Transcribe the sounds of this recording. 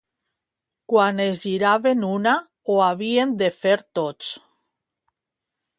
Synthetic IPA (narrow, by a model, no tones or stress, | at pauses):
kwanezʎiɾaβenuna | oaβ̞iend̪efeɾt̪ot͡s